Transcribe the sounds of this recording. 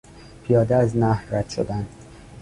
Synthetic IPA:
pʰijɒːd̪eæznæhræd̪̥ʃo̰d̪ænd̪̥

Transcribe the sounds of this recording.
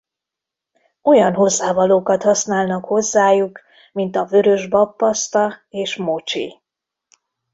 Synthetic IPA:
o̞jɒnɦo̞zːaːvɒloːkɒt̪hɒsnaːlnɒkho̞zːaːjuk | mint̪ɒvø̞ɾø̞ʒbɒpːɒst̪ɒeːʃmo̞t͡ʃḭ

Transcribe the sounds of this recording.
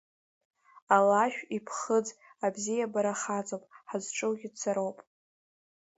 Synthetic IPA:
alaʃᶣipʰχəd͡z | abzijabaɾaχat͡sʼopʼħazʈ͡ʂʼɨwɡʲɪdt͡sʰaɾowpʼ

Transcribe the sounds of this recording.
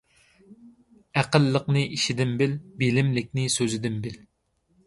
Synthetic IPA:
æqəlːəqnɨʔiʃid̪ɪmbɪlbelɪmlɪk̚ʲnɪsøzɪd̪ɪmbɪl

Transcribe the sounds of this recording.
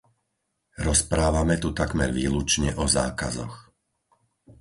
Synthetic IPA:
ɾɔspɾaːʋamɛt̪ut̪aɡmɛɾʋiːlut͡ʃɲɛʔɔza̰ːkazɔ̰x

